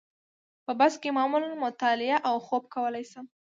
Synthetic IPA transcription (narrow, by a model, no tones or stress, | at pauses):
pəbaskemɑmulanmʊt̪ɑlɪaʔawxob̚kawəlajsəm